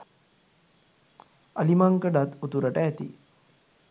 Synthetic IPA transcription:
əlimaŋkəɖat̪ut̪uɾəʈəæt̪ḭ

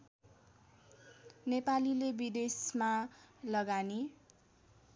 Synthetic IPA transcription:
nepalilebid̪esmalʌɡani

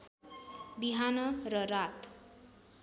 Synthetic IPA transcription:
biɦanʌɾʌɾat̪

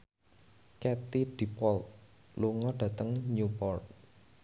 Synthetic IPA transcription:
kɛt̪iɖ̥i̤pɔlt̪̚ | luŋɔɖ̥ä̤t̪əŋɲupɔrt̪̚

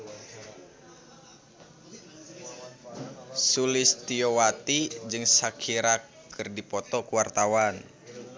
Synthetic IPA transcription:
sulɪst̪iowat̪id͡ʒɨŋsakʰiɾakː | ɨrdipɔt̪ɔkuwart̪awan

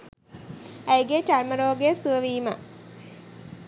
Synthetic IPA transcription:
æjɡet͡ʃarməɾoːɡesuʋəʋiːmə

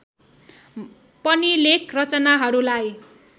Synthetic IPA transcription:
pʌnilekʰrʌt͡sʌnaɦʌɾulaj

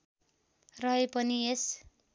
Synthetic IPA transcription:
rʌepʌnies

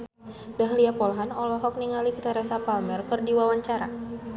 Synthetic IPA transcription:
daɦliapɔlɦanɔlɔɦɔk̚niŋalikit̪aɾɛsapalmɛrkɨrdiwawaɲt͡ʃaɾa̰

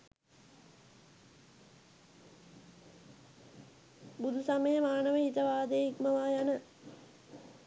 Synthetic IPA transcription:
bud̪ʱusaməjəmaːnəʋəit̪əʋaːd̪ejikməʋaːjanə

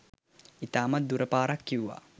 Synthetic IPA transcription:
it̪aːmat̪̚d̪uɾəpaːɾakːiwuʋa̰

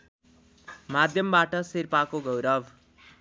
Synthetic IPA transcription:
mad̪ʱjʌmbaʈʌsirpakoɡʌwɾʌb

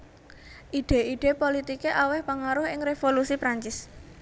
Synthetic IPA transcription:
ʔiɖ̥e̤iɖ̥e̤polit̪ikeʔawɛhpaŋaɾʊɦɪŋɾefolusipɾaɲt͡ʃɪs

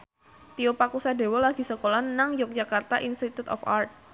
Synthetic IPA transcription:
t̪iopakusade̤wɔlaɡi̤səkolanaŋjʊk̚d͡ʒakart̪aʔinst̪it̪ut̪ɔ̰fa̰rt̪̚

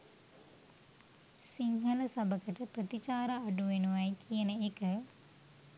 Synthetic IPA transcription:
siŋɦələsabəkəʈəprət̪it͡ʃaːɾaːɖuʋenuʋɐjkʰijənəekə

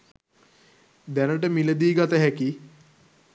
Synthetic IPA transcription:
d̪ænəʈəmiləd̪iːɡat̪əɦæki

